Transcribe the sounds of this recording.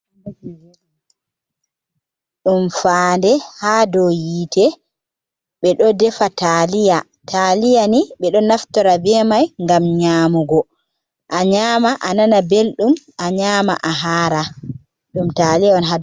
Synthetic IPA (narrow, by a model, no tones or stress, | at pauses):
ɗumfandɛhaːdɔjiːtʰɛ | ɓɛɗɔdɛfatalija | tʰalijaniɓɛɗɔnaftɔɾabɛmajŋɡamɲaːmuɡɔ | ʔaɲaːmaʔananabelɗum | aɲaːma̰ʔaɦaːɾa | ɗumtalijaɔnɦa